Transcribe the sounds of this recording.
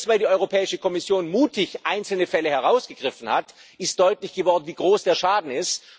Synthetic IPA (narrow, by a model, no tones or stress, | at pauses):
svaɪldiːʔɔʏʁopʰɛːɪʃəkʰɔmɪsjoːnmuːtʰɪçʔaɪnsl̩nəfɛləhɛɐʁaʊsɡ̥əɡ̥ʁɪfn̩hatɪstd̥ɔʏtlɪçɡ̥əvɔɐdn̩viːɡʁoːsd̥eːɐʃaːdn̩ɪst